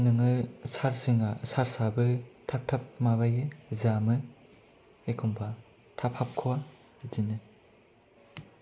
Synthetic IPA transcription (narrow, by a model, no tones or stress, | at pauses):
nɯŋɯsaɾsiŋasaɾsabɯtʰap̚tʰap̚mabajɯzamɯ | ekʰumba | tʰapʰhap̚kʰɯwa | idinɯ